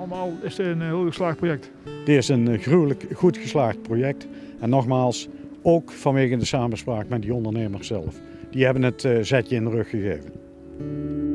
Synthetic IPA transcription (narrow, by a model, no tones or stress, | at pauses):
ləmaːlˠɪsdəənɦɪːlˠəslaːx̚projɛk̚t | d̥əɪsənxrywləkχutxəslaːχt̚projɛk̚t | ɛnːɔχmaːlˠs | owkfɑnʋeːɣəndəsaːmənspraːkmɛt̚diɔndəɹnejməɹssɛ̰lˠf | d̥iɦɛbənɦətzɛtjəɪndərɵxːəɣḛːvən